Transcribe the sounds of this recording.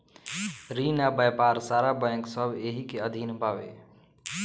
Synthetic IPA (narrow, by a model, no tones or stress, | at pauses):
ɾinabəjpaɾsaɾabəjə̃ksəbʱeɦikeəd̪ʱinpaʋḛ